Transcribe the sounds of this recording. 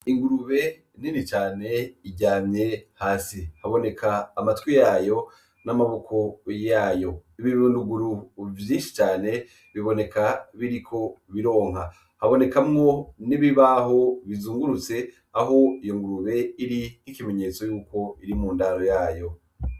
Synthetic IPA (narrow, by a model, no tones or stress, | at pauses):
iŋɡuɾuβe̞ | ninit͡ʃaːne̞iɟaːmɲe̞haːsihaβo̞ne̞kʰaːmatwijaːjo̞ | namaβo̞kʰo̞jaːjo̞iβiɾunduɡuɾuvjiːnʃi̥t͡ʃaːne̞ | βiβo̞ne̞kaβiɾikʰo̞βiɾo̞ːŋ̥ha | haβo̞ne̞kamŋo̞niβiβaɦo̞βizuːŋɡuɾut͡se̞ | aɦo̞ijo̞ŋɡuɾuβe̞iɾinikime̞ɲe̞ːt͡so̞juːko̞iɾimuːndaɾo̞jaːjo̞